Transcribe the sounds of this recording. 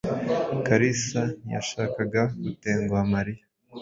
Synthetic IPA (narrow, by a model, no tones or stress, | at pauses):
kaɾisaja̰ʃaːkaɡaɡute̞ːŋɡuamaɾija